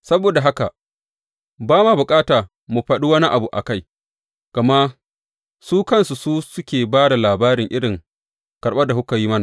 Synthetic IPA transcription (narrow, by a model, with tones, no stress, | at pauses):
sɐ˦boː˨da˨ɦa˦ka˨ | baː˦maː˨bʊ˨kʼaː˦taː˨ | mu˨ɸɐ˦ɗi˦wɐ˦ni˦ʔa˨bu˨ʔa̰˨ka˦˨j | ɡ̥ɐ˨ma˦ | suː˦kɐ˦nsu˨suː˦sʊ˦kʲeː˨baː˦da˨laː˨baː˦ɾɪ˨ŋʔɪ˦ɽɪ˨ŋ | kɐ˨ɾɓɐ˦rda˨hʊ˦kɐ˨jiː˦mɐ˦na˨